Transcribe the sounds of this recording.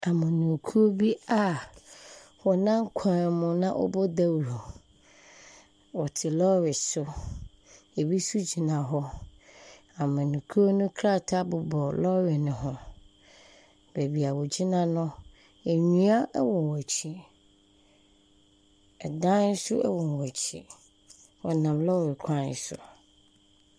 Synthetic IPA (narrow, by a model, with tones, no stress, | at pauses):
a˨mʊ̃˨nũ˨kʰu˦o˦bi˦a˦˨ | wɔ˨nã˦ŋ˦kʷʰã˨mʊ̃˨nã̰˦ʔɔ̰˦bɔ˦da˦wɾo˨ | wɔ˨tʰɪ˨lɔ˦ɾɪ˨sʊ˦ | e˨bi˦su˦d͡ʑi˨nã˨ɦɔ˦ | ã˨mʊ̃˨nũ˨kʰu˦o˦nʊ̃˦kʰɾa˦˨tʰa˦bʊ˨bɔ˨lɔ˦ɾɪ˨nɪ̃˨ɦʊ̃˨ | be˨bi˨a˨wɔ˨d͡ʑi˦nã˦nʊ̃˦ | ɛ˨ɲũ˦a˦ʔɛ˦wɔ̃˨nwæ˨t͡ɕʰi˦ | ɛ˨dã˦n˦sʊ˦ʔɛ̰˦wɔ̃˨n˨wæ˨t͡ɕʰi˨ | wɔ˨nã˨mlɔ˦ɾɪ˨kʷʰã˦˨sʊ̰˨